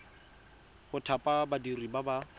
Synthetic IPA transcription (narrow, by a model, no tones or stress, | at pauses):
χʊtʰapʼabadiribaba